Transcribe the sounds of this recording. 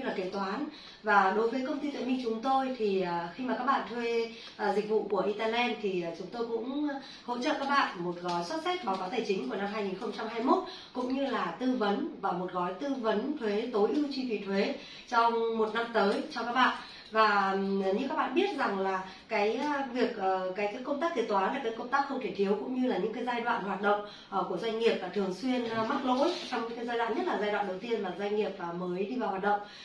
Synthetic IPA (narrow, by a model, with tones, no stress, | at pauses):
ɨ˧laː˨˩ke˨˩t̪waː˨˦n | vaː˨˩ɗo˨˦jvəː˨˦jkə˧wŋ͡mt̪i˧t̪əː˧˩mï˧˩ŋt͡ɕʊ˨˦ŋ͡mt̪o˧jt̪ʰi˨˩ə˨˩xi˧maː˨˩kaː˦˥k̚ɓa̰ː˧˨nt̪ʰwe˧ | ʔzï˨˩k̟̚vṵ˧˨ku˧˩əʔi˧t̪aː˧nɛ˧nt̪ʰi˨˩˨t͡ɕʊ˨˦ŋ͡mt̪o˧jkʊ̰˧˥ŋ͡m | ho̰˧˥t͡ɕə̰˧˨kaː˦˥k̚ɓa̰ː˧˨nmo˨˩t̚ɣɔ˨˦jswt̚sɛ˦˥t̚ɓaː˨˦kaː˨˦wt̪ʰəː˧˩t͡ɕï˨˦ŋ̟ku˧˩əna˧mɦaː˧ŋi˨˩nxə˧wŋ͡mt͡ɕa˧mɦaː˧jmo˦˥t̚ | kʊ̰˧˥ŋ͡mɲɨ˧laː˨˩t̪ɨ˧və˨˦nvaː˨˩mo˨˩t̚ɣɔ˨˦jt̪ɨ˧və˨˦nt̪ʰwe˨˦t̪o˨˦jʔi˧wt͡ɕi˧fḭ˨˩t̪ʰwe˨˦ | t͡ɕɔ˧wŋ͡mmo˨˩t̚na˧mt̪əː˨˦jt͡ɕɔ˧kaː˦˥k̚ɓa̰ː˧˨n | vaː˨˩ɲɨ̰˧˥kaː˦˥k̚ɓa̰ː˧˨ɓi˦˥ət̚za˨˩ŋlaː˨˩ | kaː˨˦jvi˨˩ək̚ʔə˨˩kaː˨˦jkaː˨˦jkə˧ŋ͡mt̪aː˦˥k̚t̪i˨˩t̪waː˨˦nlaː˨˩kaː˨˦jkə˧ŋ͡mt̪aː˦˥k̚xə˧wŋ͡mt̪ʰe˧˩t̪ʰi˨˦əwkʊ̰˧˥ŋ͡mɲɨ˧laː˨˩ɲɨ̰˧˥ŋkaː˨˦jzaː˧jɗwa̰ː˧˨nhwaː˨˩t̚ɗə̰˧˨wŋ͡m | ʔku˧˩əzwa˧jŋ̟ŋi˨˩əp̚vaː˨˩t̪ʰɨ˨˩əŋswi˧ənma˦˥k̚lo̰˧˥jt͡ɕɔ˧wŋ͡mɲɨ̰˧˥kaː˨˦zaː˧jɗwa̰ː˧˨nɲə˦˥t̚laː˨˩zaː˧jw̰ɗə˨˩wt̪i˧ənvaː˨˩zwa˧jŋ̟ŋi˨˩əp̚vaː˨˩məː˨˦jɗi˧vaː˨˩waː˨˩ɗə̰˧˨ŋ͡m